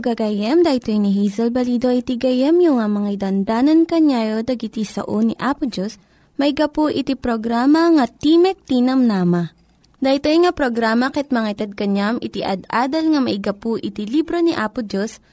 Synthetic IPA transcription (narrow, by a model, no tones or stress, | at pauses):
ɡɐɡajɛmd̪ajt̪ojniɦizɛlbɐliːd̪oʔit̪iɡɐjɛmjʊŋamɐŋaid̪ɐnd̪aːnɐnkɐɲaːjod̪ɐɡit̪isɐ̰ʔoniʔaːpʊd͡ʒos | mɐʔɪɡɐpuʔɪt̪ipɾoɡɾaːmɐŋɐt̪imɛk̚t̪iːnɐmnaːmɐ | d̪ɐjt̪ojŋapɾoɡɾaːmɐkɛt̪̚mɐŋat̪ɛd̪̚kɐɲamʔɪt̪iʔɐ̰d̪aːd̪ɐlŋɐmɐʔɪɡɐpuʔɪt̪ilibɾoniʔaːpʊd͡ʒos